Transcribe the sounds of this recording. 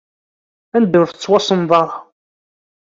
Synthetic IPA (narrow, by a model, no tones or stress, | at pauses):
ænd̪ʊɾθət͡sːwɑsˤənðˤɑɾˤ